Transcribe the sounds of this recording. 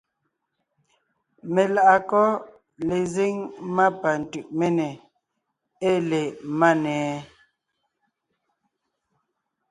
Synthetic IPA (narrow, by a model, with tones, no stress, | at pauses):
me˨la˦ʔa˨kɔ˦ | le˨ze˦ŋma˦pa˨n̩˨tʉ˨ʔme˦nɛ˨ | e˦le˨ma˦nɛː˨˦